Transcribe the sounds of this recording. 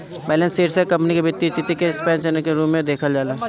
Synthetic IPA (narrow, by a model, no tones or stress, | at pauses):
bɛːlẽnseːɾsekɐ̃mpnikebɪt̪ːit̪it̪ikespɛ̃ːnt͡ʃenekeɾuːmːẽd̪eːkʰəld͡ʒaːleː